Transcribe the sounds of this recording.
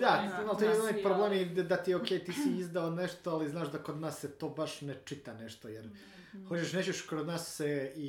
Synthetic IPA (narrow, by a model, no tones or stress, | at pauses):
d̪amalt̪oeeznekpɾoblˠeːmid̪at̪iokʲejt̪iːsiizd̪aoneʃt̪oaliznaːʃd̪akod̪naːsːet̪oːbaʃnet͡ʂit̪aneʃt̪ojeɾ | xo̞t͡ɕeʃnet͡ɕeʃkɾod̪naːsːei